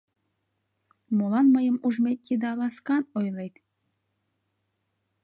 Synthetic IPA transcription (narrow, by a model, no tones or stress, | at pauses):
molˠɑnməjəmuʒmʲet̪̚ːʲid̪ɑɑlɑskɑnojlejt̪